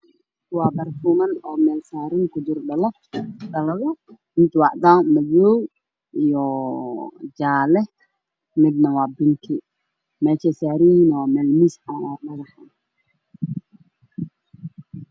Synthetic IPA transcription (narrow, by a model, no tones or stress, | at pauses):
wɑːbɐrfuːmɐnɔːmɛːlsaːɾɪŋkʰʊd̪ʊrɖɐlɐfɖɐlɐɣɐ | ɪnt̪ʰwɑʕd̪amɐjɔːw | ijɔ | d͡ʒaːlɛ | mɪd̪nɐwɑːbɪnk̪ʰɪ | mɛːʃɛsaːɾinwːmɛːlmisħaaːrmɐɣɐħa̰ːn